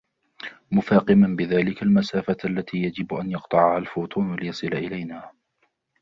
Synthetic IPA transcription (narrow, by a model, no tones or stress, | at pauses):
mʊfaːqɪmanbɪðaːlɪkalmasaːfaʔalːat̪ʰiːjad͡ʒɪbʔanjɑqt̪ˤɑʕahalfʊːt̪ˤuːnlɪjɑsˤɨlaʔɪlajnaː